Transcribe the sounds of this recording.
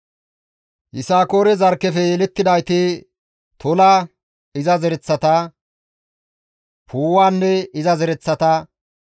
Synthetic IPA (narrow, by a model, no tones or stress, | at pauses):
hɪsaːkoːɾɛzɐɾkːɛfɛlɛt̪ːɪd̪ɐjt̪ɪ | t̪ʰɔlaː | ɪzɐzɛɾɛt͡sːɐt̪ɐ | pʰuːwaːnːɛɪzɐzɛɾɛt͡sːɐt̪ɐ